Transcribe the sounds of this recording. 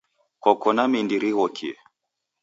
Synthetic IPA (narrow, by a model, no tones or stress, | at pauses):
kɔkɔnamindiɾiɣɔkʰiɛ